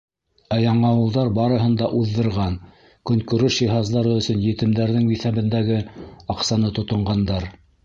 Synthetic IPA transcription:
æjɑɴɑwɤ̆lˠðɑɾbɑɾɤ̆ɦɤ̆nd̪ɑʔuðːɤ̆ɾʁɑn | kɵ̆ŋkɵ̆ɾɵʃjiɦɑzlˠɑɾɤɵ̆sɵnjɘ̆t̪ɘ̆md̪æɾðɘŋbiθæβɘ̆nd̪æɡɘɑqsɑnɤt̪ŏt̪ŏɴɢɑnd̪ɑɾ

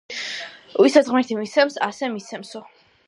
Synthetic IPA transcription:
wisazʁmiɾt̪ʰimisʰɛmsasɛmisʰɛmsɔ

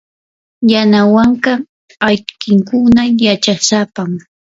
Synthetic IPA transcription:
janawaɴkɑ | ajkɪŋkʊnajat͡ʃasapam

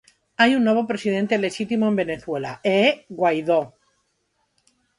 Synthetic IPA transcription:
ajunːwe̞βo̞pɾe̞siðẽ̞nt̪ele̞ʃit̪imoe̞mbe̞ne̞θwe̞la̰eɣwajðo

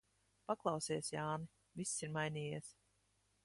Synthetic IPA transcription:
paklˠɑwsiɛsjaːni | visːiɾmajnʲiːjiɛs

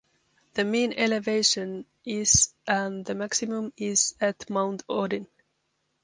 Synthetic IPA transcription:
ðəmẽːnɛleveɪʃə̃n | ɪz̥ʔə̃nðəmæksimũmɪz̥ætmãʊ̃nt̪ʰɔːdɪ̃n

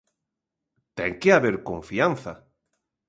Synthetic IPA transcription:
t̪ɛ̰ŋkeaβeɾkoɱfianθa

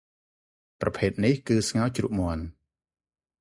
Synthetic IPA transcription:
prɑpʰeːt̪̚nihkɨːsŋawt͡ɕrṵːʔ̚muən

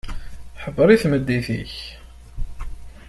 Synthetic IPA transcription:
ħəbːəɾˤiθməd̪ːiθḭç

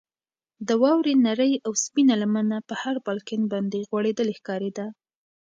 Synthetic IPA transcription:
d̪əwɑwɾenaɾəjawspinalamanapəhaɾbɑlkɪnbɑnd̪eɣwaɽed̪əlexkɑɾed̪a

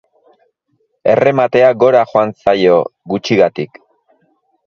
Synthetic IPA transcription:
e̞̰re̞mat̪e̞aɡo̞ɾaxoant͡sajo̞ɡut͡ʃiɣat̪ik

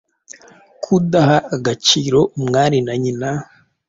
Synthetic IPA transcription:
kʰudahaʔːɡat͡ʃiːɾo̞umŋaːɾinaɲina

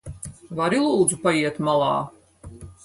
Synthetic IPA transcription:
vaɾilˠuːd̪zupajiɛt̪malˠɑː

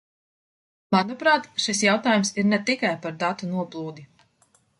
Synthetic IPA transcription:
manɔpɾaːt̪ʃisjawt̪aːjumsiɾnɛt̪ikajpaɾd̪at̪unuɔplˠuːd̪i

